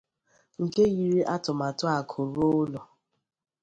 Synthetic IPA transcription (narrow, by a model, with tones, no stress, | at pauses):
ŋ̩˨ke˦ɣi˨ɾi˦ʔa˦tʊ˨ma˨tʊ˦a˨kʰʊ˨ɾo˦lɔ˨